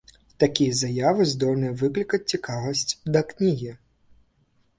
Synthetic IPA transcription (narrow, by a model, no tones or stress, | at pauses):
t̪akʲijɐzɐjavɨzd̪ɔlʲnɨjɐvɨklʲikɐt͡sʲt͡sʲikavɐsʲt͡sʲd̪ɐknʲiɣʲi